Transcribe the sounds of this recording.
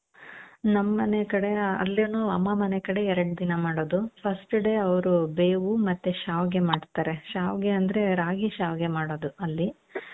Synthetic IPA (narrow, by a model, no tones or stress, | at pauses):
nɐmːɐnekɐɽeɐ̰lːenuːɐmːɐmɐnekɐɽe̞ɛɾɐɽd̪inɐmaːɽoːd̪upʰɐsʈɖe̞ːɐʋɐɾube̞ːʋumɐt̪ːeʃaːʋɡe̞maːɽt̪aːɾe̞ʃaːʋɡeɐnd̪ɐɾe̞ɾaːɡiʃaːʋɡe̞maːɽoːd̪uɐlːi